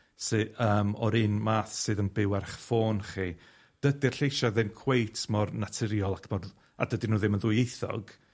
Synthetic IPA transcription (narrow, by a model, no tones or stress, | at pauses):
sɨəːmɔɾɨnmaːθsɨːðənbɪwɛrχfoːnχi | d̥ədirɬejʃaðɨmkʰw̥ejtʰmɔrnatʰɪɾjɔlˠakʰmɔr | a̰dədinuːðɪmənðʊjejθɔ̰ɡ̥